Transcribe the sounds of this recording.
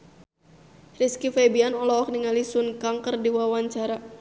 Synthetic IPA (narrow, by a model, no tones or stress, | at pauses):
riskifebianɔlɔɔk̚niŋalisunkaŋkərdiwawaɲt͡ʃaɾa